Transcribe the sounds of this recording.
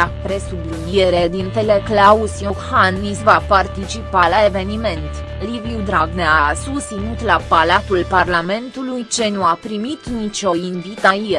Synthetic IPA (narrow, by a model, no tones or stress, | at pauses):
akpɾe̞sublinie̞ɾed̪int̪eleklausjohanːisvapart̪it͡ʃipalae̞ve̞nime̞nt̪ | liviud̪ɾaɡneasust̪sinut̪lapalat̪ulparlame̞nt̪ulujt͡ʃe̞nuapɾimit̪nit͡ʃo̞invit̪aie